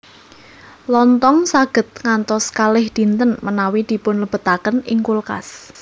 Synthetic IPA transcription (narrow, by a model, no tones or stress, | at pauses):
lɔnt̪ɔŋsaɡ̥ə̤t̪̚ŋant̪ɔskalɪhd̪̥i̤nt̪ənmənawid̪̥i̤pʊnləb̥ə̤t̪akənɪŋkulka̰s